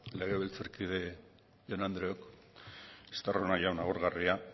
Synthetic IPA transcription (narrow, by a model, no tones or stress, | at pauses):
leɣ̞eβelt͡saɾkiðe̞ | ʝonand̪ɾeok | e̥st̪aronaʝawnaɣuɾɣaria